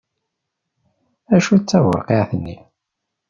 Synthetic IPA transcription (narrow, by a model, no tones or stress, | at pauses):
æʃut͡sːæwɑ̰qeʕθənːi